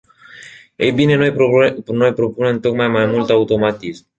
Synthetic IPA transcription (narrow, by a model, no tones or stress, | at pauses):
ebinenonoepɾopunent̪ok̚majmajmolt̪awt̪omat̪is